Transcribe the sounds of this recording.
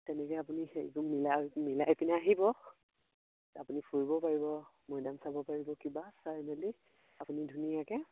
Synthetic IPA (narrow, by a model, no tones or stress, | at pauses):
tɛnɛkɛjapunixeɹḭkumilamilajpinaaɦibɔ | apunipʰoɹibɔpaɹibɔmɔjdamsabɔpaɹibɔkibasaɹmali | apunidʱunijakɛ